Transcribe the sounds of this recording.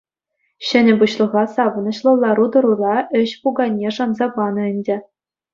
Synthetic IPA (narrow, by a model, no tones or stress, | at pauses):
ɕɘ̆nʲɘ̆buɕlˠɤ̆ʁɑsɑʋɤ̆nɤ̆ɕlˠɤ̆lˠːɑɾud̪ɤ̆ɾurɑɘ̆ɕpuɡɑnʲːeʂɑnzɑbɑnɤ̆ɘ̆nʲdʲɘ̆